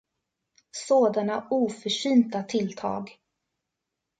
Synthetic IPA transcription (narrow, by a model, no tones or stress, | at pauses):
soːd̪anauːfœʂyːnt̪at̪ʰɪlt̪ʰɑ̰ːɡ